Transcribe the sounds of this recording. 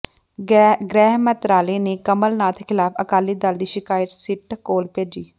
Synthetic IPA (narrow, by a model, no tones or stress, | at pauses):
ɡɾɛːɦmət̪ɾaːleːneːkəməlnaːt̪ʰkʰɪlaːpʰə̰kaːliːd̪əld̪iːʃɪkaːjəʈ̪sɪʈkoːlpeːd͡ʒiː